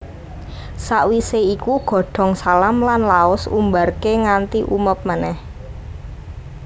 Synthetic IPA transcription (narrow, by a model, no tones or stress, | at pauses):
saʔwiseikuɡ̥ɔ̤ɖ̥ɔ̤ŋsalamlanlaʊsṵmbarkeŋant̪iʔṵməp̚manɛh